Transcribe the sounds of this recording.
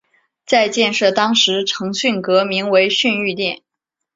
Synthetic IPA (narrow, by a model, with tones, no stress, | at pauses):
t͡sa˥˧ɪt͡ɕjɛ˥˧nʂɤ˥˩t̪ɑ˥ŋʂɻ̩˧˥ʈ͡ʂʰɤ˧˥ŋɕy˥˩nkɤ˧˥mi˧˥ŋwe˧˥ɪɕy˥˧ny˥˧t̪jɛ˥˩n